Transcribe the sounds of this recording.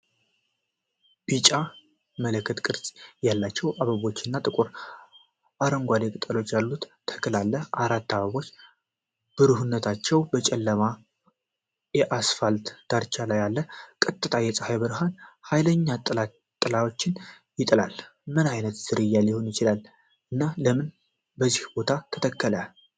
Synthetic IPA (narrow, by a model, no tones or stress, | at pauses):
b̥it͡ʃʼa | mələkːət̪ʼkʼɨɾsʼjalːat͡ʃːɛwʔaβəβo̞t͡ʃːɪnːat̪ʼɨkʼuɾ | ʔaɾəŋɡʷad̪ekʼɨt̪ʼəlo̞t͡ʃːjalːut̪ːʰə̥kəlalːəʔaɾat̪ːaβəβo̞t͡ʃː | b̥ɨɾɨhunːət̪ʰat͡ʃːɛwbət͡ʃʼɛlːəma | jɛʔasfalt̪d̪̥aɾt͡ʃʰalajalːəkʼɨt̪ʼːɨt̪ʼʰajɛsʼəhajbəɾɦanhajləɲːat̪ʼa | t̪ʼːɨlawo̞t͡ʃːɪn | jɪt̪ʼlal | mɨnajnət̪z̥ɨɾɨjːaljɪho̞njɪt͡ʃɪlal | ʔɨnːaləmɨn | bəzihbo̞t̪ʰat̪ʰə̥t̪ʰəkːələ